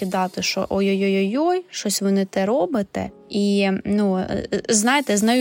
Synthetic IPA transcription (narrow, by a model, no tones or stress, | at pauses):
id̪ɑt̪ɪʃɔ̰ʔɔjɔjɔjɔjɔjʃt͡ʃɔsʲʋɪnɪt̪ɛɾɔbɪt̪ɛ̰ | inuznɑjet̪ɛznɐju